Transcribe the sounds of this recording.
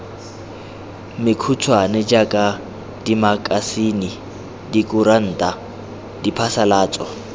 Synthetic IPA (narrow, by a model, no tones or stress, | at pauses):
mɪkʰut͡sʰwanɛd͡ʒakʼa | dimakʼasini | dikʼuɾan̩ːtʼa | dipʰasalaːt͡sʼɔ